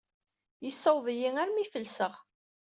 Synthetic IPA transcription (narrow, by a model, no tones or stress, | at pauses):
jəsːəwðˤijiŋæɾmifəlsəʁ